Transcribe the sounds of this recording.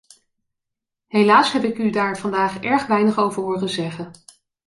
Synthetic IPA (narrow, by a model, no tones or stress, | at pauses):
ɦejlaːsɦɛpɪkydaːɹv̥ɑndaːχɛɹχʋɛjnəχowvəɹɦʊːɹχəzɛχən